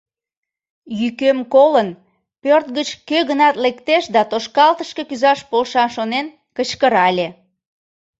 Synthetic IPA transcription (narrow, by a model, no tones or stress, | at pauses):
jykømkolən | pørt̪ɡət͡ɕkøɣənɑt̪lekt̪eʃd̪ɑt̪oʃkɑlt̪əʃke̽kyzɑʃpolʃɑʃonen | kət͡ɕkəɾɑlʲe